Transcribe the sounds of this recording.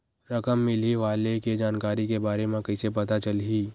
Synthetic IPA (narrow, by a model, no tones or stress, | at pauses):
ɾɐkəmːɪliʋaːleked͡ʒaːnkaːɾikebaːɾemẽkɐsepɐt̪at͡ʃəlɦiː